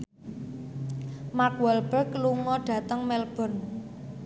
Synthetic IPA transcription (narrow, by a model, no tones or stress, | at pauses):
makwɔlb̥əkluŋɔɖ̥ä̤t̪əŋmɛlb̥ɔ̤n